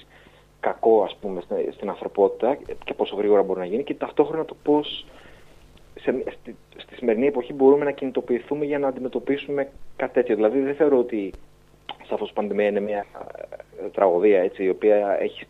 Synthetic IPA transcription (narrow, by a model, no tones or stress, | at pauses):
kɐko̞ɐspume̞sst̪inɐnθɾo̞po̞t̪i̥t̪ɐce̞po̞so̞ɣɾiɣo̞ɾɐbo̞ɾinɐʝinice̞t̪ɐft̪o̞xɾo̞nɐt̪o̞po̞s | sems | st̪i̥sime̞ɾinie̞po̞çibo̞ɾume̞nɐcinit̪o̞piːθume̞ʝɐnɐːnd̪ime̞t̪o̞pisume̞kɐt̪i̥t̪e̞t̪ço̞ðilɐðiðeθe̞o̞ɾoot̪i | sɐfo̞so̥pɐnðemiɐine̞mɐ | t̪ɾɐɣoðiɐe̞t͡siːo̞piɐe̞̰çi̥s